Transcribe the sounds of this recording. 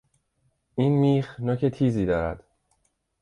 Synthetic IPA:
ʔiːnmiːxnoːcʰet̪ʰiːziːd̪ɒːɾæ̰d̪̥

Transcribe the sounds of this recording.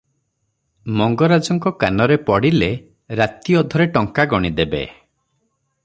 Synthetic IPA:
mɔŋɡɔɾad͡ʒɔŋkɔkanɔɾepɔɽile | ɾat̪iɔd̪ʱɔɾeʈɔŋkaɡɔɽ̃id̪ebḛ

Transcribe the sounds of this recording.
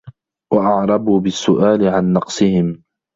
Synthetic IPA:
waʔɑʕɾˤɑbuːbɪsːʊʔaːlɪʕanːɑqsˤɨhɪm

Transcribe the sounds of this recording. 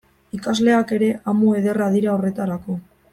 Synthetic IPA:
ikazle̞ake̞ɾe̞ʔamoe̞ðe̞rað̞iɾao̞re̞t̪aɾako̞

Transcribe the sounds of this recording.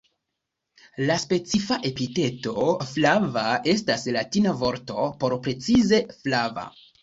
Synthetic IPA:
laspe̞t͡sifaʔe̞pite̞to̞flavae̞staslatinavo̞ɾto̞po̞ɾpɾe̞t͡size̞flava̰

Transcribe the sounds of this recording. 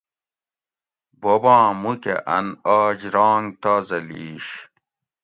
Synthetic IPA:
bobãːmukḛʔɐnaːd͡ʑɾãːŋɡt̪aːzɐliːɕ

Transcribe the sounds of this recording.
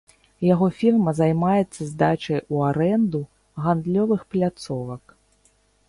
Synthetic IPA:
jaɣɔfʲirmɐzajmajɛt̪sːɐzd̪at͡ʃɐjuaɾɛnd̪u | ɣand̪lʲɔvɨxplʲat̪sɔvɐk

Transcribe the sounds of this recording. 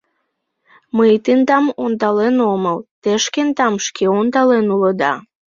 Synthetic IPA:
məjt̪int̪ɑmond̪ɑlenoməlt̪eʃkent̪ɑmʃkʰeond̪ɑlenuləd̪ɑ̰

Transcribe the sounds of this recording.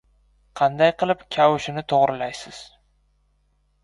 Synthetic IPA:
qʰɑnd̪ajqʰɨlˠɪpkʲʰawʊʃɪnɪt̪ʰoʁɾɪlajsɪz̥

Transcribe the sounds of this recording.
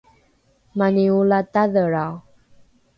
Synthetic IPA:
maniulat̪aðəɾa

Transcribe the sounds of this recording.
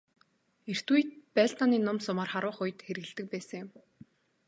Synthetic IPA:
er̥t̪ujt̪̚pæɮt̪aniːnʊmsʊmaːrχaɾʊːχʊjt̪xeɾɘɣɘ̆ɮt̪ɘ̆k̚pæːsə̆ŋjʊm

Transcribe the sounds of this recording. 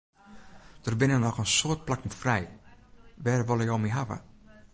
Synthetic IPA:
d̥ərbɪnənɔχənsoərt̚plaknfrɛj | ʋɛːrʋolˠəjowmiɦavə̰

